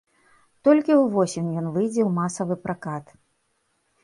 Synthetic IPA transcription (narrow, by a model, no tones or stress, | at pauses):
t̪ɔlʲkʲiwvɔsʲimjɔnvɨjd͡zʲɛwmasɐvɨpɾakat̪